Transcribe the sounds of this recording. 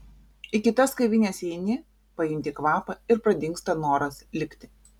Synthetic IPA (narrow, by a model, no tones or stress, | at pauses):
ɪkʲɪt̪ɐskɐɪʋʲɪnʲesʲɛɪnʲɪ | pɐjɪnʲt̪ʲikʋɑːpɐɪɾpɾɐd̪ʲɪŋˑkst̪ɐnoːɾɐslʲɪkʲt̪ʲɪ̥